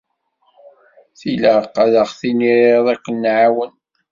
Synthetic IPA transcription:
θilaqːaðəχθiniɾeðˤækːənːʕawən

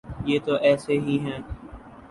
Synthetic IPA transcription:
jeːt̪oʔɛːseɦiɦɛ̃ː

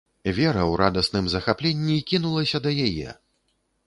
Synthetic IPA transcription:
vʲɛɾɐwɾad̪ɐsnɨmzɐxaplʲenʲːikʲinulˠɐsʲɐd̪ɐjajɛ̰

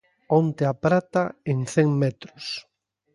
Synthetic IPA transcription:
ont̪eapɾat̪aeŋθɛŋmɛt̪ɾʊs

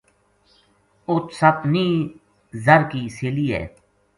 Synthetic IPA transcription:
ʊt̪sɐpniː | zəɾkiːsɪliːɛ̰ː

